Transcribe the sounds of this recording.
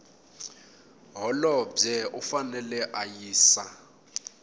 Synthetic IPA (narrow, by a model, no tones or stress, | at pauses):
ɦɔlɔb͡ʐɛʔʊfanɛlɛʔajiːsa